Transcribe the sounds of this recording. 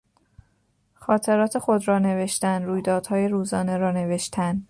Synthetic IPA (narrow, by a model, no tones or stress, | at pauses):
xɒːt̪ʰe̞ɾɒːt̪ʰe̞xo̞d̪rɒːne̞ve̞ʃt̪ænd̪ɾuːjd̪ɒːd̪̥hɒːjeɾuːzɒːne̞ɾɒːne̞ve̞ʃt̪ʰænd̪